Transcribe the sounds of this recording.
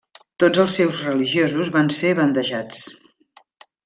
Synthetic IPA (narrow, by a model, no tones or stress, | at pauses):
t̪od͡zəlˠsɛwzrəliʒiozuzβanseβənd̪əʒat͡s